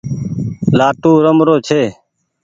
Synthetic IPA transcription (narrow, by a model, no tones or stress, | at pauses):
laːʈuːɾəmɾoːt͡ʃʰeː